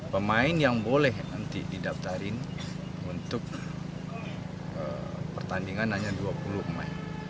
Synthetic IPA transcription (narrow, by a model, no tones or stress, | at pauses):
pəmaɪnjaŋbolɛhnənt̪ḭdidaft̪aɾɪn | unt̪ʊk̚ | ə̰pərt̪andiŋanhaɲaduapuluhma̰i